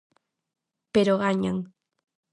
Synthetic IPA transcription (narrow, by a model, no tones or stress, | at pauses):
peɾoɣaɲaŋ